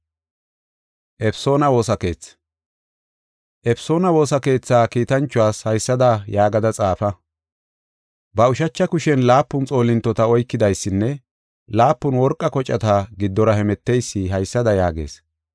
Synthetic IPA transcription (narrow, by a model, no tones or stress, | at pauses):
ʔɛpso̞ːnɐwo̞ːsɐke̞ːt͡s | ʔɛfso̞ːnɐwo̞ːsɐke̞ːt͡sːaːkiːt̪ɐnt͡ʃːʊwaːshɐjsːɐd̪ɐjaːɡɐd̪ɐt͡sʼaːfɐ | bɐʊʃɐt͡ʃːɐkʊʃɛnlaːpːʊnt͡sʼo̞ːlɪnt̪ːɔt̪ɐɔjkːɪd̪ɐjsːɪnːɛ | laːpːʊnwɔɾkʼːɐkɔt͡ʃʼːɐt̪aɡɪd̪ːɔɾɐhɛmɛt̪ːejsːɪɦɐjsːɐd̪ɐjaːɡe̞̰ːs